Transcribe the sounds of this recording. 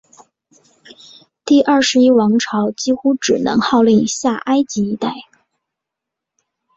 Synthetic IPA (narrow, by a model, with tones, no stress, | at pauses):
t̪i˥˩ʔɐ˞˥˩ʂɻ̩˧˥i˥wɑ˧˥ŋʈ͡ʂʰɑ˧˥ʊt͡ɕi˥xu˥ʈ͡ʂɻ̩˨˩nɤ̰˧˥ŋxɑ˥˧ʊli˥˩ŋɕja˥˩ʔa˥ɪt͡ɕi˧˥i˧˥t̪a˥˩ɪ